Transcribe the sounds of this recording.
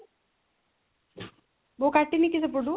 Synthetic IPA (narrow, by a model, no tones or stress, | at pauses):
bokɐʈːinikisɐp̬uɖu